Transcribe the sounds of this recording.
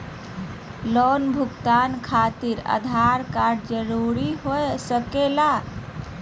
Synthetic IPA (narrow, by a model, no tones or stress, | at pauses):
lonbʱukt̪ankʰat̪iɾə̰d̪ʱaɾkaɾɖd͡ʒəɾuɾiɦoesəkela